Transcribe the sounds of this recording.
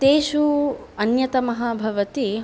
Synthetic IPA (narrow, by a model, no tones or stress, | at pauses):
t̪eːʃuɐnjɐt̪ɐmɐɦaːbʱɐʋɐt̪i